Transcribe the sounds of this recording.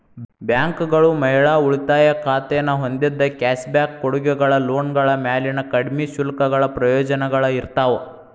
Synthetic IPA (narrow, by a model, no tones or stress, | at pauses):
bjaːŋkɡɐɭumɐɦiɭaːuɭit̪aːjɐkʰaːt̪ɛnɐɦond̪id̪ːɐkaːʃbjaːkːoɽuɡuɡɐɭɐloːnɡɐɭɐmjaːlinɐkɐɽmiʃulɐkɐɡɐɭɐpɾɐjɔːd͡ʒɐnɐɡɐɭɐiɾt̪aːʋɐ